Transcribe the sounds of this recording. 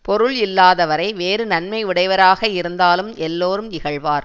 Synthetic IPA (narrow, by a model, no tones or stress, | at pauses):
pɔɾɯɭɪlːaːðɐʋɐɾɐɪʋeːɾɯnɐnmɐɪʋɪɽɐɪʋɐɾaːɣɐɪɾɯnd̪aːlɯmɛlːoːɾɯmɪɣɐɭʋaːɾ